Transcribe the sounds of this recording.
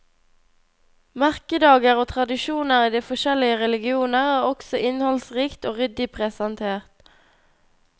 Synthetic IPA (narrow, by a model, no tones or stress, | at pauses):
mæʁkəd̪ɑːɡəʁoːt̪ʰʁɑd̪ɪʃuːnəʁiːd̪iːfɔʃɛlɪəʁɛlɪɡɪuːnəʁæːʁɔksɔʔɪnhɔlsʁiːkt̪oːʁʏd̪ɪpʰʁɛsɑnt̪ʰeːʁt̪